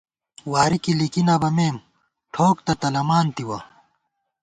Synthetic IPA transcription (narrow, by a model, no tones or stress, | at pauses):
waːɾikilikinabɐmeːm | ʈʰoːk̚t̪ɐt̪ɐlɐmaːnt̪iwɐ